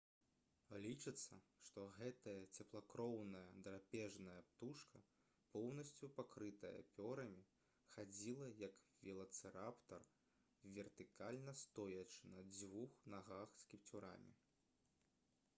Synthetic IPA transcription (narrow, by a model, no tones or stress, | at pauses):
lʲit͡ʂɨt̪sːɐʂt̪ɔɣɛt̪ɐjɐt͡sʲɛplˠakɾɔwnɐjɐd̪ɾapʲɛʐnɐjɐpt̪uʂkʰɐ | pɔwnɐsʲt͡sʲupakɾɨt̪ɐjɐ̰pʲɔɾɐmʲi | xad͡zʲilˠɐjɐkvʲilˠɐt̪sɨɾapt̪ɐr | vʲɛrt̪ɨkalʲnɐst̪ɔjɐt͡ʂɨnɐd͡zʲvuxnaɣaxskʲipt͡sʲuɾa̰mʲḭ